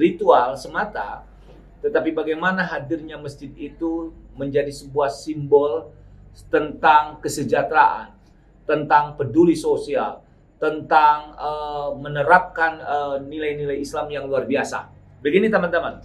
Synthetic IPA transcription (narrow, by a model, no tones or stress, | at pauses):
rit̪ualsəmat̪a̰ | t̪ət̪apibaɡajmanaɦadirɲaməsd͡ʒɪt̪̚it̪uməɲd͡ʒadisəbuahsimbɔlt̪ənt̪aŋkəsəd͡ʒat̪ɾaʔa̰n | t̪ənt̪aŋpədulisosial | t̪ənt̪aŋəmənəɾap̚kanəːilajnilajislamjaŋluarbiasa̰ | bəɡinit̪amant̪aman